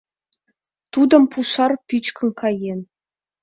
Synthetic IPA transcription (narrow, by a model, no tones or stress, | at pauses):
t̪ud̪ɤ̆mpuʂɑrpʲyt͡ɕkʲɘ̆nkʰɑjenʲ